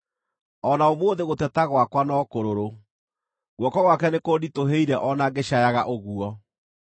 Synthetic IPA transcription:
ɔnaomwoːðeɣotɛtaɣwakwanɔkoɾoɾo | ɣwɔkɔɣwakɛnekoditoɦeiɾɛʔɔnaɡeɕajaɣaʔoɣuɔ

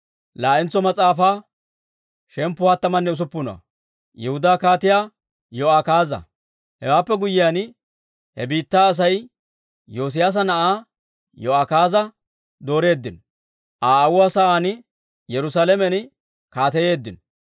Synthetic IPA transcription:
laːʔɪnt͡sːɔmɐt͡sʼaːfaː | ʃɛmpːʊhat̪ːɐmɐnːɛʊs̬ʊpːʊnɐ̰ | jɛhʊd̪aːkaːt̪ɪjaː | joːakaːzɐ̰ | hɛ̰waːpːɛɡʊjːɪjan | hɛbiːt̪ːaːs̬ɐj | jo̞ːs̬ɪjas̬ɐnɐʔaː | joakaːzɐ | d̪o̞ːɾe̞ːd̪ːɪn | ʔaːwʊwasɐaːnɪ | jɛɾʊsaːlɛmɛn | kaːt̪ɛje̞ːd̪ːɪn

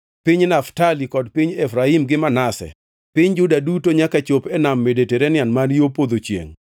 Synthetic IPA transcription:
piɲnaftalikɔdpiɲɛfɾaimɡɪmanasɛ̰ | piɲd͡ʒʊdadutoɲakat͡ʃopɛnamːedeteɾɛnɪanmanjopod̪ot͡ʃjḛŋ

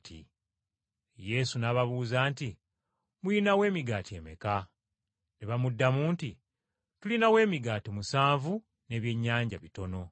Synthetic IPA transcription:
tḭ | je̞sunaːβaβuːzaːnti | mujinawe̞ːmiɡaːtie̞ːme̞̰ka | neβamudːamuːnti | tulinawe̞ːmiɡaːtimusaːɱvu | ne̞ːβje̞ɲːaːɲɟa̰βito̞no̞

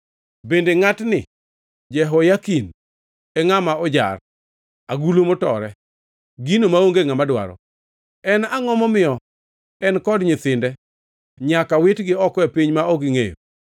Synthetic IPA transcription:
bendeŋatnɪ | d͡ʒɛɦɔjakin | ɛŋamaɔd͡ʒa̰r | aɡulomotɔ̰ɾɛ | ɡinomaoŋɡeŋamadwa̰ɾɔ̰ | ɛnaŋɔmɔmɪɔ | ɛnkɔdɲɪt̪ɪndɛ | ɲakawɪtɡɪɔkɔɛpiɲmaɔɡɪŋḛjo̰

